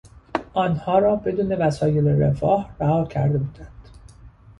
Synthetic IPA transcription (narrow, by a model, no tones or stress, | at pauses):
ʔɒːnhɒːɾɒːbe̞d̪uːne̞væsɒːje̞leɾefɒːhræhɒːcʰæɾd̪e̞buːd̪ænd̪̥